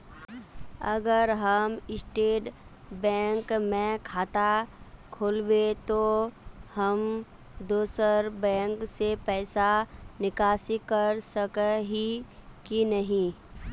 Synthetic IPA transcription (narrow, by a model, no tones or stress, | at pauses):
ɐɡəɾɦəmɪsʈeːʈ | bɛ̃ːŋkmẽkʰaːt̪akʰoːlbet̪ohəm | d̪oːsəɾbɛ̃ːŋksepɛːsanɪkaːsikəɾsəkɦikinəɦĩ